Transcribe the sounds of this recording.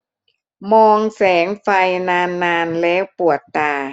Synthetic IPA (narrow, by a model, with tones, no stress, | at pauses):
mɔː˧ŋsɛː˩˦ŋfa˧jnaː˧nːaː˧nlɛː˦˥wpu˨˩ət̪ːaː˧˩